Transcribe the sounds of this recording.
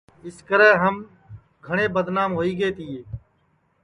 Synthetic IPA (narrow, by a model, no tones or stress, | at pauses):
ɪskəɾɛːɦəm | ɡʱəɳ̃eːbəd̪naːmɦoːiːɡeːt̪ʰiːeː